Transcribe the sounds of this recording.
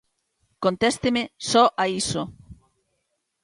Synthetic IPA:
kont̪est̪emesɔʔaiso

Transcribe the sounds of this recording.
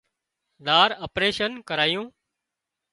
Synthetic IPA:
ɗ̪aːɾəpɾeːʃənkəɾaːjũː

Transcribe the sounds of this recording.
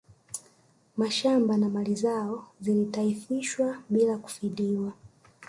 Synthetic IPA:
maʃambanamalizaɔzilitaifiʃwaɓilaku̥fiɗiwa

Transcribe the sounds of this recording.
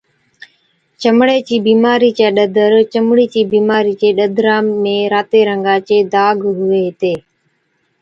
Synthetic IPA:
t͡ʃəmɽeːt͡ʃiːbiːmaːɾiːt͡ʃeːɗəd̪ʱəɾt͡ʃəmɽiːt͡ʃiːbiːmaːɾiːt͡ʃeːɗəd̪ʱɾãːmẽːɾaːt̪eːɾəŋɡãːt͡ʃeːd̪aːɡɦʊʋeːɦt̪eː

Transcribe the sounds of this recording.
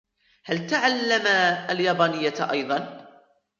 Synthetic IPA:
halt̪aʕalːamaljɑːbɑːnɪjːat̪ʔɑ̰jd̪ˤɑn

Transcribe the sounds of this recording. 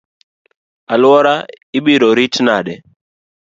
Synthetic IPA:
alwɔɾa | ɪɓiɾɔɾitnaɗɛ

